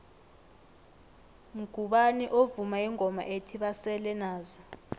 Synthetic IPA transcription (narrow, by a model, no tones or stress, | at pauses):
m̩ɡ̥ʱuɓaniʔovumaiŋʱɔma̰ʔetʰiɓasɛlɛnaːzɔ